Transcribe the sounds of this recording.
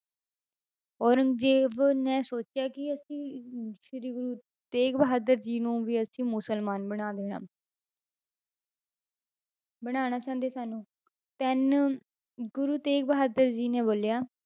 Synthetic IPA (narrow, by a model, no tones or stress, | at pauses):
ɔːɾəŋɡd͡ʒeːʋnɛ̃ːsoːt͡ʃɪjaːkɪəsĩːʃɪɾiːɡʊɾuː | t̪eːkbəɦaːd̪əɾd͡ʒiːnũːʋiːəsĩːmʊsəlmaːnbəɽ̃aːd̪eːɽa̰ː | bəɽ̃aːñaːt͡ʃãːnd̪eːsaːnũː | t̪ɛn | ɡʊɾuːt̪eːk̚bəɦaːd̪əɾd͡ʒiːneːboːljaː